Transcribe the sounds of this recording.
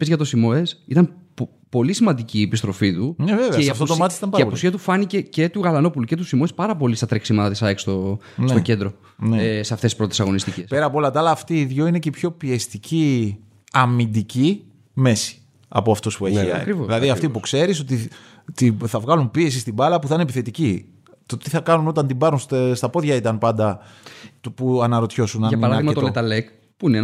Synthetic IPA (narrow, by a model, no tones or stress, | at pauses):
pezʝɐt̪o̞simo̞e̞sit̪ɐnp | po̞lisimɐnd̪iciːepist̪ɾo̞fit̪uneveveɐeiɐft̪ot̪omɐt̪isit̪ɐmpɐɾɐɐpusiɐt̪ufɐnicece̞t̪uɣɐlɐno̞puluce̞t̪usimo̞e̞spɐɾɐpo̞list̪ɐt̪ɾeksimɐt̪ɐt̪isɐekst̪o | nst̪oce̞nd̪ɾo̞ | neeseɐft̪esi̥spɾo̞t̪e̞sɐɣo̞nist̪icespeɾɐpoolɐt̪ɐɐlɐːft̪iðʝoinecepço̞piest̪ici | ɐmind̪ici | me̞si̥ | ɐ̰po̞ɐft̪o̞spueçiɐ̰ɐ̰kɾivoilɐðiɐft̪ipukse̞ɾiso̞t̪i | t̪iθɐvɣɐlumpie̞s̬ist̪ibɐlɐpuθɐinepiθe̞t̪ici | t̪o̞t̪iθɐkɐnuno̞t̪ɐnt̪ibɐɾunst̪st̪ɐpo̞ðʝɐit̪ɐnpɐnd̪ɐt̪puɐnɐɾo̞t̪ço̞sunɐniɐɾɐɣmɐet̪olet̪ɐlek | puine